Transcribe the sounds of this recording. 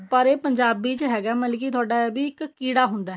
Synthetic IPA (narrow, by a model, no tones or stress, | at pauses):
pəɾeːpəɲd͡ʒaːbiːt͡ʃɦɛːɡaːməlk̬iːt̪ʰʊaːɖaːbiːɪkkiːɽaːɦʊ̃nd̪aːɦɛ